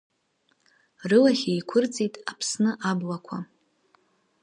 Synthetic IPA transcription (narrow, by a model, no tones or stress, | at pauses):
rɨlaχʲejkʷʰʊrt͡sʼijtʼapʰsnɨʔablakʷʰa